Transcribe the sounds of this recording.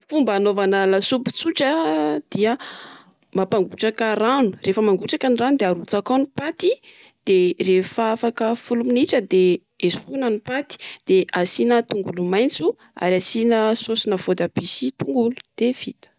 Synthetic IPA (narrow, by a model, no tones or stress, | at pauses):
fumbanovanalasupu̥t͡suʈ͡ʂəd̪̥iə | mapaŋɡuʈ͡ʂakəranu̥refəmaŋɡuʈ͡ʂakaniranud̪eaɾut͡sakanipat̪i | d̪̥erefafakəfuluminiʈ͡ʂəd̪e | esfuunanipat̪i̥d̪̥eʔasinət̪uŋɡulumajnt͡su | a̰ɾasinəsosinəv̥od̪abisit̪uŋɡulu̥d̪̥ev̥it̪ə̥